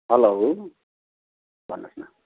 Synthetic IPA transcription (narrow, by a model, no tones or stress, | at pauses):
ɦʌloɦ | bʱʌnːʌsna